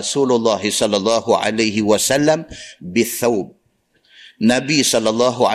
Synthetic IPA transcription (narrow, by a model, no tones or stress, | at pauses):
suːlʊlˤːɑːɦɪsˤɑlːɑlˤːɑːhʊʕa̰lajɦɪwasalːambɪθːawb̚ | nabɪjːsˤɑlːɑlˤːɑːɦʊʕa